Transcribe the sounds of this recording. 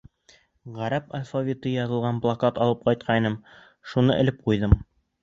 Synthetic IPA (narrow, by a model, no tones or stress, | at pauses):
ʁæɾæpa̰lʲfavʲit̪ɤjɑðɤ̆lˠʁɑnblˠakɑt̪ɑlˠɤp̚qɒjt̪̚qʰɑinɤm | ʃunɤʔɘ̆lɘp̚qujðɤm